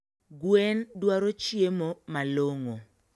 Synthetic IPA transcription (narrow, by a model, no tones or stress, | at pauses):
ɡwendwaɾot͡ʃjemomaloŋo